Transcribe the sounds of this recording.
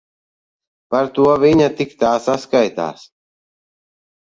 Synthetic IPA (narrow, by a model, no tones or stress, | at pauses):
paɾt̪uɐʋiɲat̪ikt̪aːsaskajt̪a̰ːs